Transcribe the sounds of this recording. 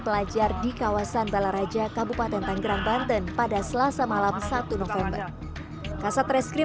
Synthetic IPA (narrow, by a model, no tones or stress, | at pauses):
pəlad͡ʒardikawasanbalaɾad͡ʒakabupat̪ɛnt̪aŋɡəɾaŋbant̪ənpadasəlasamalamsat̪unɔfɛmbər | kasat̪ɾɛskɾi